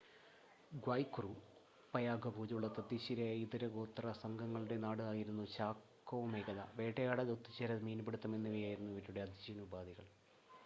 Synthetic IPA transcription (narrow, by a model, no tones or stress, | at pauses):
ɡwɐjkːuru | pɐjaːɡʱɐbʱuːd͡ʑuɭːɐt̪ɐd̪iɕiɾeiðiɾɐɡoːt̪ːrɐsɐŋɡʱɐŋːɐɭuɽe̞naːɽɨaːjiɾunːut͡ɕaːkːoːmeːɡɐðɐ̰ʋe̞ːʈɐjaːɽɐlot̪ːit͡ɕːɐɾɐmiːnɐpeɽut̪ːɐme̞nːiʋijaːjiɾunːuiʋɐtːuɽe̞ɐd̪ʱiɕinubaːd̪iɣɐɭ